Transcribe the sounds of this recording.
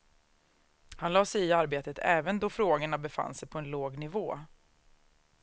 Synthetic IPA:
hanlɑːsɛjɪaɾbeːt̪ət̪ʰɛ̰ːvənd̪ɔfɾoːɡəɳabɛfa̰nːsɛjpʰɔɛnloːɡnɪvoː

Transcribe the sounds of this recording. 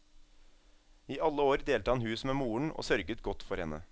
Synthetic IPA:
iːʔɑlːəoːɾd̪eːlt̪əhɑnhʉːsmeːmuːəɳo̰ːsœɾɡət̪ɡɔt̪ːfɔɾhɛnə̰

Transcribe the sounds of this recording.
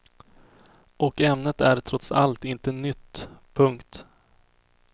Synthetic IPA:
ʔɔkɛmnət̪æɾt̪ʰɾɔt̪sa̰lt̪ɪnt̪ənʏt̪ːpʰɵŋkt̪

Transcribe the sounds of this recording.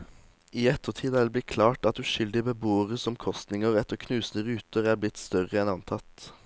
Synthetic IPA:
iːɛt̪ʰːəʁt̪ʰiːd̪æʋ̪b̪ɪtkʰlɑːʈɑt̪̚d̪ʉːʃʏld̪ɪbəboːəʁəsɔmkʰɔst̪nɪŋəʁɛt̪əʁkʰnʉːsn̩əʁʉːt̪əʁæːɾblɪt̪st̪œʁəɛnɑnt̪ʰɑt̪

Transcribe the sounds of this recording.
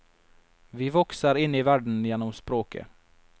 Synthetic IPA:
vɪvɔksaɾɪnːɪvæɖɳ̩jeːnɔmspɾoːkʰə̰

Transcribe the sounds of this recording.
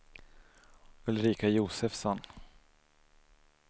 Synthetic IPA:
ɵlɾiːkajuːsɛfsɔn

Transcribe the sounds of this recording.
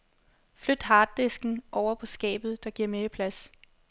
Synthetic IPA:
flød̥ɦɑ̈ːd̥ːe̝sɡ̥n̩ʔɒʊ̰ɐpʰɒ̽sɡ̥ɛ̰ːb̥ð̞̩ˠd̥ɑ̈ɡ̥iɐ̰meəpʰlæs

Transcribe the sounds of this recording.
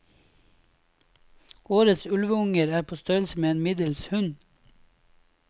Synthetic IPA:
ʔoːɾət̪sʉlʋəʊŋəɾæːpʰoːst̪øːəl̩səmeːeːnmɪd̪əlshʉn

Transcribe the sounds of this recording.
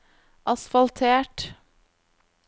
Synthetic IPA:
ʔɑsfɑlt̪ʰeːʈ

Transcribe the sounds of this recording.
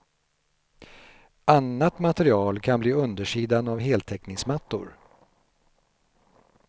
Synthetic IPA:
anːat̪mat̪ɛɾɪɑːlkʰanbliːɵnd̪əʂiːd̪anavɦeːlt̪ʰɛknɪŋsmat̪ːʊ̰ɾ

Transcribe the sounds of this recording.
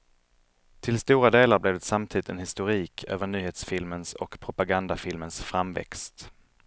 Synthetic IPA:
t̪ʰɪlst̪uːɾad̪eːlaɾblɛvd̪ɛt̪samt̪ʰiːd̪ɪt̪ɛnhɪst̪ʊɾiːkʰøːvəɳyːheːt̪sfɪlmənsɔ̰kpʰɾʊpaɡand̪afɪlmənsfɾamvɛ̰kst̪

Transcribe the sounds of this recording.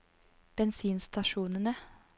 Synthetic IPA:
b̥ɛnsiːnst̪ɑʃuːnənə

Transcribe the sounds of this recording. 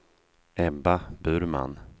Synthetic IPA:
ɛbabʉːɾma̰n

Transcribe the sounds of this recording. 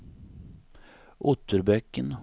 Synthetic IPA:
ʔʊt̪ʰːəɾbœkːən

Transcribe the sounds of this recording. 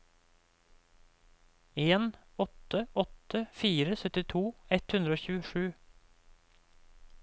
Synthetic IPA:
eːnɔt̪əʔɔt̪əfiːɾəsœt̪ɪt̪ʰuːɛt̪hʉnɾəoːçʉːəʃʉː

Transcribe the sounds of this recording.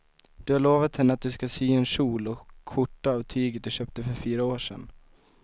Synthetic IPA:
d̪̥ɵhaɭoːvat̪hɛnːəat̪̚d̪ɵskasyːɛnʂuːlɔkʰːʊʈːaːvt̪ʰyːɡət̪̚d̪ɵɕøːp̚t̪əfœɾfyːɾaoːʂɛ̰n

